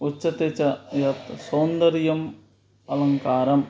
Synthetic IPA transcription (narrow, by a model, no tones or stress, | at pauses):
ut͡ɕːɐt̪et͡ʃːɐjɐt̪sɐwnd̪ɐɾjɐm | ɐlɐŋkaːɾɐm